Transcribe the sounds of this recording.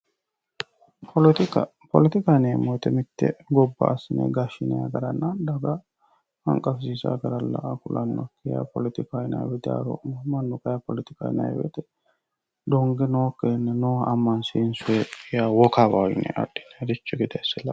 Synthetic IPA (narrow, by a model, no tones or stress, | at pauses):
pɔlt̪ | pɔ̰lɛt̪ɪkaneːmːojt̪ɛmɪt̪ːɛ̰ɡɔbːɐ̰ʔɐsɪnḛɡɐʃːɪnɛa̰ɡɐɾɐnːand̪ɐɡɐ | hɐŋkʼɐfsiːsa̰ɡɐɾɐlːɐ̰ʔɐkʊlɐnːɔkːɪja̰pɔlɪt̪ɪkajnɐ̰jwɛd̪a̰ɾɔ̰ʔmɐnːʊkʼɐjɐpɔlɪt̪ɪka̰jnɐ̰jwɛ̰t̪ɛ | d̪ɔŋɡɛnoːkːenːɛnoːɐmːɐnsinsʊepʼɪjawɔkabajɪ̰nɛ̰ʔɐ̰ɗɪ̥nːɛd̪ɪt͡ʃːɛɡɪd̪ɐjsːɛlɐ